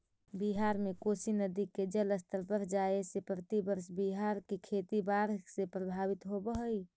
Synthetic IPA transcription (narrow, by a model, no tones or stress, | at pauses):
biɦaɾmekosinəd̪iked͡ʒələst̪əɾpəɾd͡ʒaesepɾət̪ibəɾsbiɦaɾkekʰet̪ibaɾsepɾəbʱabit̪ɦobəɦəi